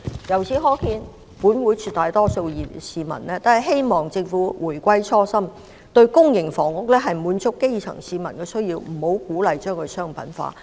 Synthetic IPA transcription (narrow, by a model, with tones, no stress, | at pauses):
jɐ˨˩wt͡sʰiː˨˥ɦɔː˨˥kʰiː˧n | puː˨˥nwuː˨˥jt͡ʃʰyː˧t̪aː˨jt̪ɔː˥so˧wjiː˨˩siː˨mɐ̰˨˩nlɛː˥t̪aː˨ɦɐ˨˩jɦe˥jmɔː˨ŋt͡sɪ˧ŋfuː˨˥wuː˨˩jkʷɐ˥jt͡sʰɔː˥sɐ˥m | t̪ɵ˧ɥkʊ˥ŋjɪ˨˩ŋfɔː˨˩ŋkʊ˥k̚lɛː˥ɦɐ˨jmuː˨˧nt͡sʊ˥kːe˥jt͡ʃʰɐ̰˨˩ŋsiː˨mɐ˨˩nkɛː˧sɵ˥ɥjiː˧wm̩˨˩ho˨˥wkuː˨˥lɐ˨jt͡ʃœː˥ŋkʰɵ˨˧sœː˥ŋpɐ̰˨˥nfa̰ː˧